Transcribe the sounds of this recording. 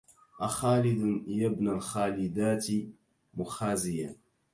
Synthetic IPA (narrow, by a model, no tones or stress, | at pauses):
ʔaxaːlɪd̪njabnalxaːlɪd̪aːt̪ | mʊxaːzɪja